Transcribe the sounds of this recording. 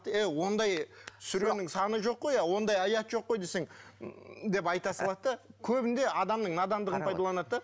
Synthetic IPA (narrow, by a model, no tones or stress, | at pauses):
t̪ewo̞nd̪ɑjt̪ʰsʏɾe̞nɪŋsɑnəʒo̞qːo̞jɑwo̞nd̪ɑjɑjɑt̪ʒo̞qːo̞jd̪e̞se̞ŋ | d̪e̞p̬ɑjt̪ɑsəlˠɑt̪ːəkʲʰɵbɪnd̪e̞ɑd̪ɑmnəɴnɑd̪ɑnd̪əʁənpʰɑjd̪ɑlˠɑnɑt̪ːɑ